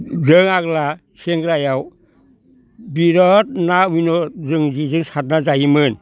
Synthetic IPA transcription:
zɯŋaɡla | seŋɡɾajaw | biɾɔt̚naminɔzɯŋd͡ʒizɯŋsat̚nazajimɯn

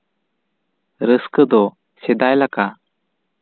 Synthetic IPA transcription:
ɾəskəd̪ɔ | sed̪ajlaka

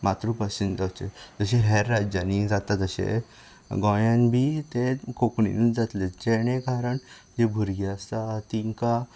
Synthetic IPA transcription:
mat̪ɾupəsind͡zawt͡ɕed͡zəɕeɦɛɾːad͡ʑanid͡zat̪at̪əɕḛ | ɡɔ̃jãnbiːt̪ekokɳḭnid͡zat̪led͡ʑeɽ̃ẽkaɾəɳ | d͡ʑebʱuɾɡiast̪at̪iŋka

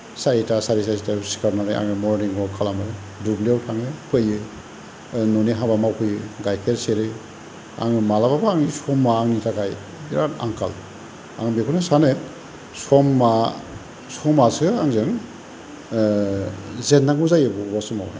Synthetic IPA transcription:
saitasaɾisasitasi̥kʰaɾnaɾeʔa̰ŋɯmɔɾniŋɡɔkʰalamɯ | dubliawtʰaŋɯpʰɯjɯ | nɔniɦabamawkʰɯjɯɡajkʰeɾseɾɯ | a̰ŋɯmalababaːŋnisɔmːaːŋnitʰaɡaj | iɾana̰ŋkʰa̰l | a̰ŋbekʰɔnɯsane | sɔmːa | sɔmasɯaŋzɯŋ | zenːaŋɡuzajɯbɔwasuma̰wnḛ

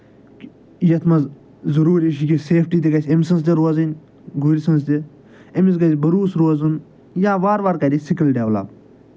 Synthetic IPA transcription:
jɐt̪ʰmɐz | zɐɾuːɾʲiʃikʲiseːpʰʈiːt̪eɡɐsʲemʲsɐnst̪ʲiɾoːzɐnʲ | ɡuɾʲisɐnst̪ʲi | emis̬ɡɐsʲbɐɾuːsɾoːzun | jaːʋaːɾʋaːɾkɐɾʲisikɐlɖʲeʋlɐ̰p

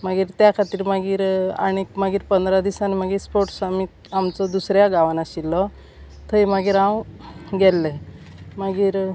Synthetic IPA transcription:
maɡiːɾt̪jakʰat̪iːɾmaɡiːɾa̰ɽ̃ikmaɡiːɾpənd̪ɾad̪isanimaɡiːɾspoɾʈsamit̪ | amt͡sɔd̪usɾjaɡaʋanaɕilːɔ | t̪ʰəjmaɡiːɾãwɡɛlːɛ | maɡiːɾ

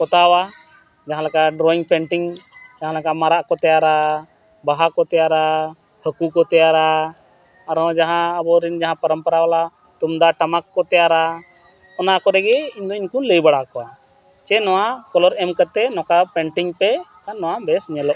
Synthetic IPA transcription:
kɔt̪awa | d͡ʒaɦãlɛkaʔɖɾɔiŋpɛɳʈiŋd͡ʒaɦãlɛkaʔmaɾaʔkɔt̪ɛjaɾa | baɦakɔt̪ɛjaɾa | həkukɔt̪ɛjaɾaː | ɾɔ̃d͡ʒaɦãəbɔɾɛnd͡ʒaɦãpəɾəmpəɾawala | t̪umd̪aʈamakːɔt̪ɛjaɾa | ɔnakɔɾɛɡɛiɲd̪ɔiɲkuləjbaɽaʔkɔwa | t͡ʃɛnɔwakɔlɔɾɛmkət̪ɛnɔkapɛɳʈiŋpɛkanːɔwabɛsɲɛlɔʔ

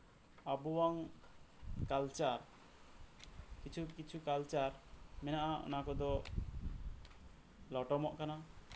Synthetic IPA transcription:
abuwaŋ | kalt͡ʃaɾ | kit͡ʃʰukit͡ʃʰukalt͡ʃaɾmɛnaʔaʔɔ̰nakɔd̪ɔ | lɔʈɔmɔʔkana

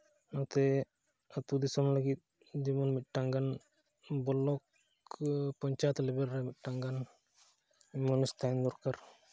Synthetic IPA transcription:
nat̪ɛ | at̪ud̪isɔmlaɡit̪̚ | d͡ʒɛbɔnmit̪̚ˀʈaŋɡan | bɔlɔk | pɔɲt͡ʃat̪lɛbɛɾːɛmit̪̚ˀʈaŋɡan | mɔnɔst̪and̪ɔɾkaɾ

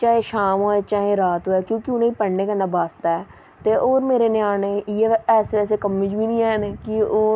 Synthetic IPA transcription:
t͡ʃaːɦẽʃaːmɦoːɛːt͡ʃaːɦẽɾaːt̪ɦoːɛːkjõːkiʊnẽipəɽneːkənaːbaːst̪aɛː | t̪eʔoːɾmeːɾenɪjaːnejeːɛːseɛːsekəmːɪ̃d͡ʒbʱinĩːɛːnekioː

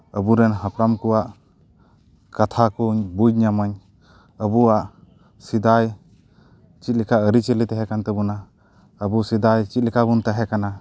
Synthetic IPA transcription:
əbuɾɛnɦapɾamkuwaʔ | kat̪ʰakuɲbud͡ʒ̚ɲamaɲ | əbuaʔ | sid̪aj | t͡ʃit̪̚likʰaəɾit͡ʃəlit̪ɛɦɛkant̪ɛbuna | əbusid̪ajt͡ʃit̪̚likʰabunt̪aɦɛkana

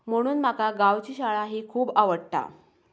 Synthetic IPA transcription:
m̤əɽ̃uːnm̤akaɡaʋt͡ɕiːɕaɭaɦiːkʰuːbaʋəɽt̪a̰

